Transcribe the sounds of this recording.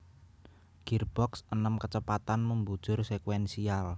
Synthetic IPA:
ɡ̥irb̥ɔksənəmkət͡ʃəpat̪anməmbud̥ʒ̥ʊ̤rsekwɛnsial

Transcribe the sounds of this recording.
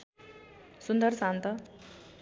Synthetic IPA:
sund̪əɾsãnt̪ʌ

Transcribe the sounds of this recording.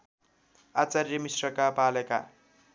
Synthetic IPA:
at͡sarʌmisrʌkapaleka̰

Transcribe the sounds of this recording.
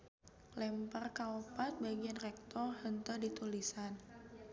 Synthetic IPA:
lɛmpərkaopat̪̚baɡianrɛk̚t̪ɔrhənt̪ədit̪ulisan

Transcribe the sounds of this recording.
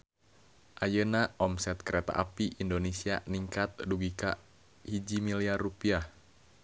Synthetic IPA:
ʔajənaʔɔmsɛt̪̚kəɾɛt̪a̰ʔapiʔindonesianiŋkat̪̚duɡika̰ | hid͡ʒimiliarːupiah

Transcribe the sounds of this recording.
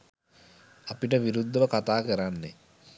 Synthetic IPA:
apiʈəʋiɾud̪ʱːəʋəkat̪aːkəɾanːḛ

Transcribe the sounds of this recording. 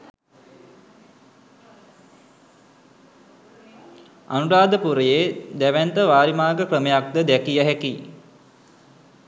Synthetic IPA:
a̰nuɾaːd̪əpuɾəjed̪æʋænt̪əʋaːɾimaːɡəkrəmejak̚d̪əd̪ækijəɦæki

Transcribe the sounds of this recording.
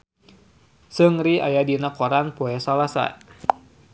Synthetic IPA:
sɨŋɾiajadinakɔɾanpɔɛsalasa̰

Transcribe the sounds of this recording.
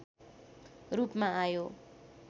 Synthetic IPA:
rupmaajo

